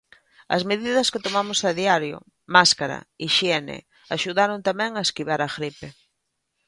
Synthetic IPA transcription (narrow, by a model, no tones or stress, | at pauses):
ɐ̰zmeðiðɐskɪt̪omamosaðiaɾjo̰ | maskaɾɐ̰iʃiɛnɪ̰ | aʃuðaɾont̪amɛ̃ŋaeskiβaɾɐɣɾipe